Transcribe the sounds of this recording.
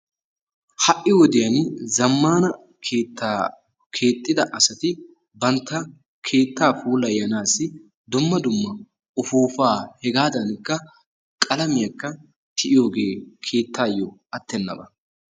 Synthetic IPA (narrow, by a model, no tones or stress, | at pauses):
hɐʔːɪwɔd̪ɪjɐnzɐmːaːnɐ | kʰeːt̪ːaː | kʰe̞ːt̪ʼːɪd̪ɐʔɐsɐt̪ɪ | bɐnt̪ːɐ | kʰe̞ːt̪ːaːfuːlɐjɐnaːsːɪ | d̪ʊmːɐd̪ʊmːɐ | ʊfuːfaːhɛɡaːd̪ɐnkːɐ | kʼɐlɐmɪjɐkːɐ | t̪ʰɪʔɪjo̞ːɡe̞ːkʰe̞ːt̪ːaːjːɔɐt̪ːɛnːɐ̰bɐ